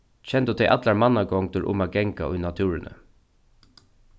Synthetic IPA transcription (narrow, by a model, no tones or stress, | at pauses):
çɛnd̪uːt̪ʰɛʔɑt̪lɑɾmɑnɑɡɔŋd̪ʊɾʔʊ̰mɑɡɛŋkaʔʊːnɑt̪ʰʉːɹənə̰